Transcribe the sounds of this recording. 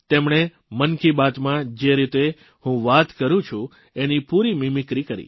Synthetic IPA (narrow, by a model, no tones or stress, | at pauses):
t̪emɳ̃e | mənkibat̪mãd͡ʒeɾit̪e | hũʋat̪kəɾũt͡ʃʰũ | enipuɾimimikɾikəɾḭ